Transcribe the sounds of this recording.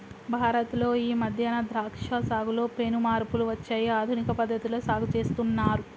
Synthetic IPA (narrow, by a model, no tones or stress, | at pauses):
bʱaːɾɐt̪lo̞ːiːmɐd̪ʱjɐnɐd̪ɾaːkʂɐsaːɡulo̞ːpeːnumaːɾpuluʋɐt͡ʃːɐjiaːd̪ʱunikɐpɐd̪ʱːɐt̪ilo̞ːsaːɡut͡ʃe̞ːst̪unːaːɾu